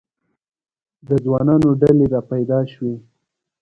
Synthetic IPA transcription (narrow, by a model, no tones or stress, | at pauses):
d̪əd͡zwɑnɑnoɖaleɾɑpajd̪ɑʃwe